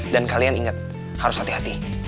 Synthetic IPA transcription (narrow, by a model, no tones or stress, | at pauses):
dankalianiŋat̪̚ | haɾʊshat̪iɦat̪i